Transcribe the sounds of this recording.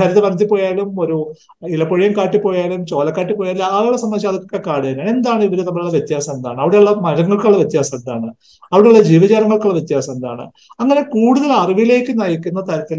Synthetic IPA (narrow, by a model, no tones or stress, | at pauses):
ɐɾɐðɐʋɐrɐt̪ːipːo̞ːjaːlumo̞ɾu | ilɐpːoɻijɐmkaːʈːipːoːjaːlumt͡ɕo̞ːlɐkːaːʈːipːoːjaːlːaːɾiɭːɐsɐmːɐiɕ̬aːɐðokːokːekaːɽijɐːnume̞nd̪aːɳɨiʋɐɾenɐmːɐɭuɭːɐʋjet̪ːjaːsɐmend̪a̰ːɳɨɐʋiɽeuɭːɐmɐɾɐŋːɐɭkuɭːɐʋjet̪ːjaːsɐmend̪a̰ːɳɨ | ɐʋiɽe̞uɭːɐd͡ʑiːʋɐd͡ʑaːɾɐŋːɐɭkuɭːɐʋjet̪ːjaːsɐmend̪a̰ːɳɨ̰ | ɐŋːɐne̞kuːɽuðɐlɐriʋijle̞ːkʲːɨnɐːjikʲːunːɐt̪ɐɾɐt̪ːil